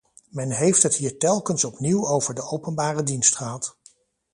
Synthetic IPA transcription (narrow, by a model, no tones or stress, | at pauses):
mɛnɦejftɦətɦiːɹtɛlˠkənsɔpniwowvəɹdəʔowpənbaːrədinstχəɦɑt